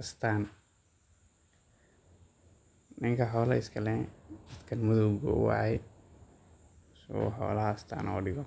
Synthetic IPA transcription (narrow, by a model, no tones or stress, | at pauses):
ɐst̪ʰaːn | nɪŋkʰɐħɔːlɐ̰ɪskʰɐlɛd̪ɐd̪kʰɐnmʊðɔɡɔ̰wa̰ːjɛ | swɔ̰ħɔ̰ːlɐhɐst̪ʰa̰ːnʔɔ̰ːɖɪɣɔ